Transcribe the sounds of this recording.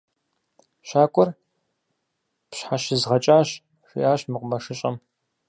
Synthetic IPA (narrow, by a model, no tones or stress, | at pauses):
ʃaːkʷʼɔr | pɕħaɕɪzʁɐt͡ʃʼaːɕ | ʂḭʔaːɕmɨqʷʊmɐʂɨɕʼɐ̰m